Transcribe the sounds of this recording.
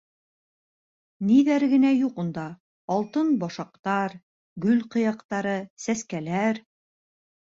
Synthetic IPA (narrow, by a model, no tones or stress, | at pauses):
niðæɾɡɘ̆næjuqund̪ɑː | lˠt̪ɤnbɑʃɑq̚t̪ɑɾ | ɡɵlqɤ̆jɑqt̪ɑɾɤsæskælæɾ